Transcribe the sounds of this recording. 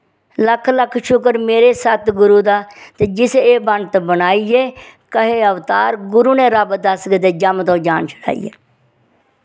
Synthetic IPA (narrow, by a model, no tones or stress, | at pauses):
ləkʰːləkʰːʃʊkəɾmeːɾeːsət̪ɡʊɾuːd̪aːt̪eːd͡ʒɪseːbəɳɖt̪bənaːiːeːkəɦeːəʋt̪aːɾɡʊɾuːnẽːɾəbd̪əskd̪eːd͡ʒəmt̪õːd͡ʒaːnʃə̥ʈʰa̰ːḭːḛː